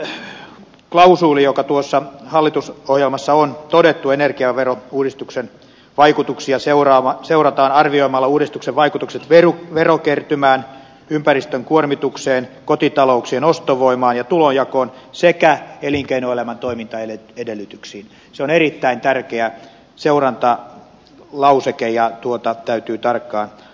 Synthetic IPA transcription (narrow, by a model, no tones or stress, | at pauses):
klɑusuːlijokɑt̪uosːɑhɑlːit̪usohjelmɑsːɑont̪odet̪ːuenerkiɑʋerouːdist̪uksen | ʋɑikut̪uksiɑseurɑːɑseurɑt̪ɑːnɑrʋioimɑlːɑuːdist̪ukseʋʋɑikut̪ukset̪ʋeruʋerokert̪ymæːn | ympærist̪øŋkuormit̪ukseːnkot̪it̪ɑlouksienost̪oʋoimɑːnjɑt̪ulonjɑkoːnsekæeliŋkeinoelæmænt̪oimint̪ɑeleedelːyt̪yksiːn | seonerit̪ːæint̪ærkeæ | seurɑnt̪ɑ | lɑusekejɑt̪uot̪ɑt̪æyt̪yːt̪ɑrkːɑːn